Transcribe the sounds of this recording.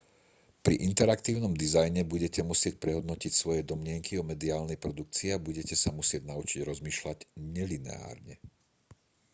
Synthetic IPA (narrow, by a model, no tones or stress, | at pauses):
pɾḭʔint̪ɛɾakt̪iːʊnɔmd̪izajɲɛbuɟɛcɛmusɪɛc̚pɾɛɦɔd̪nɔcicsʋɔjɛd̪ɔmlɪɛŋkʰiɔmɛd̪iaːlnɛjpɾɔd̪uk̚t͡siabuɟɛcɛsamusɪɛɟnaut͡ʃiɟɾɔzmiːʃlaɟɲɛlinɛ̰a̰ːɾɲɛ